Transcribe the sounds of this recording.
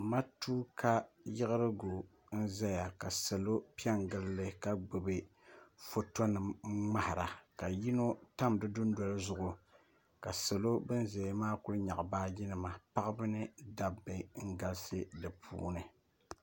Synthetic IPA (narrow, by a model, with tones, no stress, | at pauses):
ma˦tuː˦kʰa˦jɪ˦ɣɨ˦ɾɨ˦ɡo˨ | n̩˦za˦ja˨ka˨sɛ˨lo˦pi˦ɛ˦ŋɡɨ˦llɨ˦ka˦ɡ͡bo˨be˦ | fo˨to˦nɨ˨mŋ͡ma˦hɪ˨ɾa˨ka˨ji˦no˦ta˦mdɨ˦dʊ˦nda˦lɨ˦zʊ˨ʔʊ˨ | ka˨sa˨lo˦bɨ˦n˦ze˨˦maː˦kʊ˦lɲa̰˨ʔbaː˦jɪ˦nɨ˨ma˨pa˦ʔɨ˦bɨ˦nɨ˦da˦bːɨ˨ŋ̩˦ɡa˦lsɨ˦dɨ˨pʰṵː˦nɨ˨